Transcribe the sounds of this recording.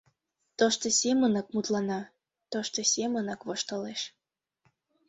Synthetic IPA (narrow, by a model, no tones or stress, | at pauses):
t̪oʃt̪ŏsʲemənɤk̚mut̪lɑnɑ | t̪oʃt̪osʲemə̆nɤkβoʃt̪ɤ̆leʃ